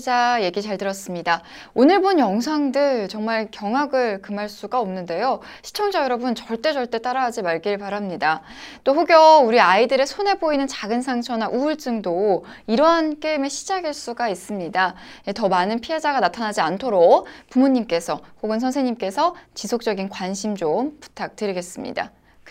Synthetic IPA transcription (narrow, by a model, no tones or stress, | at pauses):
d͡ʑaje̞ɡit͡ɕaɭdɯɾʌs͈ɯmɲida | onɯɭbunjʌŋsʰaŋdɯɭt͡ɕʌŋmaɭkjʌŋɦaɡɯɭkɯmaɭs͈uɡaʌmnɯnde̞jo | ɕʰi̥t͡ɕʰʌŋd͡ʑʌjʌɾʌbɯnt͡ɕʌɭt͈e̞t͡ɕʌɭt͈e̞t͈aɾaɦːd͡ʑimaɭɡiɭpaɾamɲida | t͈oɸoɡjʌuɾiaidɯɾe̞sʰone̞boinɯnt͡ɕaɡɯnsʰaŋt͡ɕʰʌnaʔuɯɭt͡ɕ͈ɯŋdo | iɾʌɦank͈eme̞ɕʰid͡ʑaɡiɭs͈uɡais͈ɯmɲidaetʌmanɯnpʰiɦe̞d͡ʑaɡanatʰanad͡ʑiantʰoɾok̚pumuɲimk͈e̞sʰʌkoɡɯns̬ʰʌnsʰeɲimk͈e̞sʰʌt͡ɕisʰok̚t͡ɕ͈ʌɡinkwanɕʰimd͡ʑompu̥tʰak̚tɯɾiɡe̞s͈ɯmɲḭda̰